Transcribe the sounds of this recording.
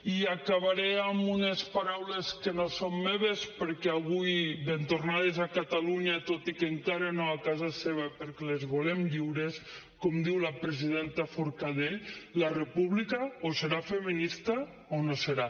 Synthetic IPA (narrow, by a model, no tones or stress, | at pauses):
iakaβaɾeamunespaɾawleskenosomːeβespəɾkɛaβujbent̪ornað̞ezakat̪aluɲat̪ot̪ikeŋkaɾanoakazaseβ̞apeɾkelezβolemʎiwɾes | komd̪iwlapɾeziðent̪afoɾkaðeʎlarepuβlikaoseɾafeminist̪a | onoseɾa